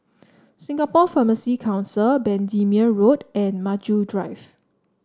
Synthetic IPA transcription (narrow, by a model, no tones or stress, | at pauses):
sĩŋɡapɔfaməsikʰãʊw̃nsəbɛ̃ndĩmiəɹotɛ̃nmad͡ʒudɹaɪv